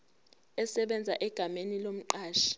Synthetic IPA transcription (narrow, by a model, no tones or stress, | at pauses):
ɛsɛɓɛnd͡zʱaʔɛɡ̥ʱamenilom̩ǃaːʃi̥